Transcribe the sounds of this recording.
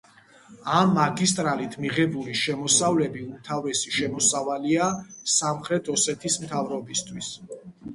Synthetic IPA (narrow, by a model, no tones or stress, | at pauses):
amːaɡist̪ʼɾalit̪ʰmiʁɛbuliʃɛmɔsavlɛbiut̪ʰavɛsiʃɛmɔsavaliasamχɾɛt̪ʰɔsɛt̪ʰismt̪ʰavɾɔbist̪ʰwis